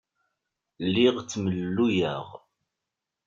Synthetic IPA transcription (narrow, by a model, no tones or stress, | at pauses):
lːɪʁt͡sːməlːujəʁ